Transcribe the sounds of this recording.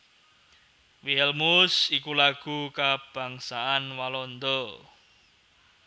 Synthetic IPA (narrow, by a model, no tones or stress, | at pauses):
wiɦɛlmʊsikulaɡ̥ṳkab̥a̤ŋsaʔanwalɔnd̪ɔ